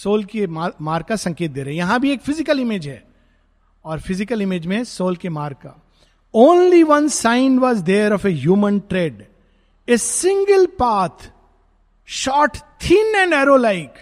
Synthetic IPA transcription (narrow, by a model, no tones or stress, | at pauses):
soːlkemamaːɾkasɐ̃ŋkeːt̪̚d̪eːɾɐɦɛ̃jɐɦãbʱieːkfɪzɪkəlɪmed͡ʒɦɛ | ɔːɾfɪzɪkəlɪmed͡ʒmẽsoːlkemaːɾka̰ | õːnliʋɐ̃nsãɪ̃nʋɔːzd̪eːɾɔfeɦjuːmə̃nʈɾeːɖ | ɪsɪ̃ŋɡəlpaːt̪ʰ | ʃɔːʈt̪ʰɪ̃nɛ̃ɳɖɛːɾolaɪk